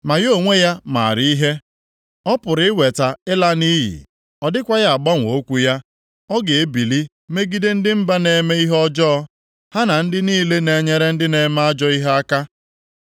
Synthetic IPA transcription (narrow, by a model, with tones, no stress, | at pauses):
ma˨jo˦˨ŋʷe˦ja˦ma̰˨ɾi˦i˦ɦe˦ | ɔ˦pʊ˨ɾɪ˨˦ɪ˦we˨ta˨ɪ˦la˦ni˦jḭ˨ | ɔ˨dɪ˦kʷa˦ja˦a˨ɡ͡ba˦ŋʷo˦kʷu˦ja˦ | ɔ˦ɡe˨e˦bi˨li˦ | me˦ɡi˦de˦n̩˦dɪ˦m̩˦ba˦ne˨me˦i˦ɦɔ˦d͡ʒɔ˦ | ha˦na˨n̩˦dɪ˦niː˦le˦ne˨ɲe˦ɾe˦n̩˦dɪ˦ne˨ma˦a˦d͡ʒɔ˦i˦ɦe˦a˦ka˦